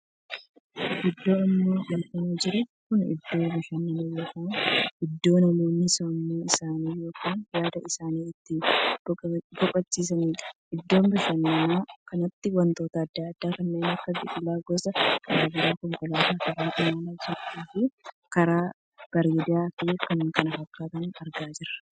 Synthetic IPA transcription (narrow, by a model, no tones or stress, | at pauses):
ʔɪd̪ːo̞ːɪmːoːjɐnt̪ɐniːd͡ʒɪɾʊtːkʊnɪ̰d̪ːo̞ːbɪʃɐnːɐmɐjo̞ːkaːnʔɪd̪ːo̞ːnɐmoːnːɪsɔnːuːɪsaːniːjo̞ːkʰaːnjaːd̪ɐʔɪsaːniːɪt̪ːɪ | bɔkʼɐt͡ʃːiːs̬ɐniːᶑɐ̥ʔɪd̪ːo̞ːmbɪʃɐnɐmaːkɐnɐt̪ːɪwɐnt̪o̞ːt̪ɐːd̪ːaːɐd̪̥ːaːkɐnːeːnɐkːɐbḭkʼɪlaːɡɔsɐkɐɾaːɡɪɾaːkɔŋkʊlaːt̪aːkɐɾaːʔɪmaːnaːd͡ʒɪɾiːfi | kɐɾaː | b̥ɐɾiːd̪aːkɪkɐnkɐnɐɦɐkːaːt̪ɐnɐɾɡaːd͡ʒɪɾɐ̥